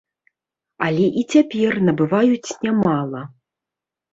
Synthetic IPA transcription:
alʲɛʔit͡sʲapʲɛrnɐbɨvajut͡sʲnʲamalˠɐ

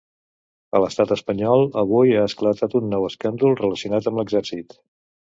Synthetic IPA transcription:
ələst̪at̪əspəɲɔlˠəβ̞ujaəsklət̪at̪unːɔwəskand̪ulˠrələsiunat̪əmbləɡzɛɾsit̪

